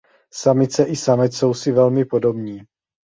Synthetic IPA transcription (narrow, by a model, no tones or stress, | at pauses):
samɪt͡sɛʔɪsamɛt̪so̞wsɪvɛlmɪpo̞do̞bɲiː